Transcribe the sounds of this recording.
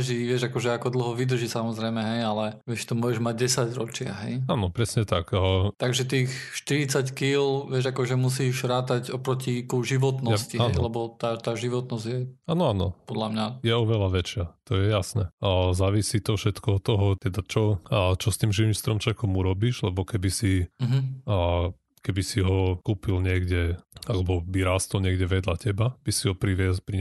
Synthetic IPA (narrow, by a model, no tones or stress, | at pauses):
ʒiʋɪɛʒakɔʒɛakɔd̪l̩ɦɔʋid̪r̩ʒisamɔzɾɛjmɛɦɛjalɛʋɪɛʃt̪ɔmʊɔɛʒmaɟ̚ɟɛsaɟɾɔt͡ʃɪa̰ɦɛ̰jaːnɔpɾɛsɲɛt̪akt̪aɡʒɛt̪iːxʃt̪iɾit͡sackilʋɪɛʒakɔʒɛmusiːʒɾaːt̪aɟɔpɾɔcikuʒiʋɔt̪nɔsciaɛnjlɛbɔt̪aːt̪aːʒiʋɔt̪nɔzɟjɛaːnɔaːnɔ̰pɔd̪lamɲajɛɔʋɛlaʋɛt͡ʃɪat̪ɔjɛjasnɛzaːʋisit̪ɔfʃɛt̪kɔɔt̪ːɔɦɔt̪ɛd̪at͡ʃɔt͡ʃɔst̪iːmʒiʋimst̪ɾɔmt͡ʃɛkɔmuɾɔbiːʒlɛbɔkɛbisiɦ̩ | kɛbisiɦɔkuːpilɲɪɛɡdɛalɛbɔbiɾaːst̪ɔlɲɪɛɡɟɛʋɪɛd̪lacɛbab̥isiɦɔpɾiʋɛspɾi